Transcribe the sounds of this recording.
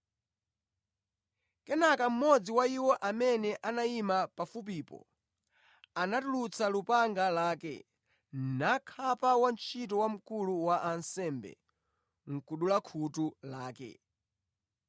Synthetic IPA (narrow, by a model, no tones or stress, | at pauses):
kɛnakam̩mɔd͡ziwaiwɔʔamɛnɛʔanaimapafup̬iːpɔ̰ | anatulut͡sʰalupaŋɡalaːkɛ̰ | nakʰapawant͡ʃʰit̬ɔwam̩kuluwaʔansɛmbɛ̰ | ŋ̩kuɗulakʰutulaːkɛ̰